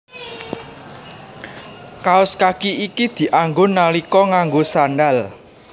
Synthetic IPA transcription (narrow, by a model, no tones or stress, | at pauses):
kaʊskakiikid̪̥i̤ʔaŋɡonalikɔŋaŋɡosanɖal